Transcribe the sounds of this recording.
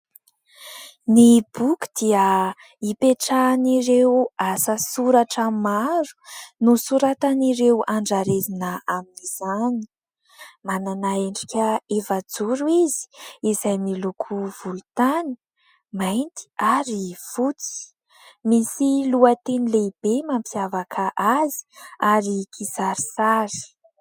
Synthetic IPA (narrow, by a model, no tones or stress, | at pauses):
nib̥uku̥d̪̥iə | ipeʈ͡ʂaniɾewasəsuɾaʈ͡ʂəmaɾu̥nusuɾat̪aniɾewaɳɖ͡ʐaɾezinəaminiz̥ani̥ | mananaeɳɖ͡ʐikʲəefad͡zuɾuizi̥izajmilukʰuv̥ulut̪ani | majnt̪i̥aɾiv̥ut͡si̥ | misiluət̪enileib̥emampʰiavakʰaʔazi̥aɾikʰizaɾisaɾi̥